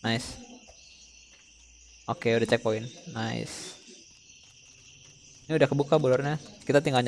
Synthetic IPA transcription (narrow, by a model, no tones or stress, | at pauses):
aɪs | ʔokeudaht͡ʃɛk̚poɪnːaɪ̰s | niudahkəbukabolɔrɲakit̪at̪iŋɡalɲ